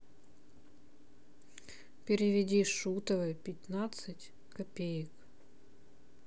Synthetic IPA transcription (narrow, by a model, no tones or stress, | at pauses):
pʲɪɾʲɪvʲɪdʲiʂut̪əvəjpʲɪt̪nat̪sɨtʲ | kɐpʲejɪk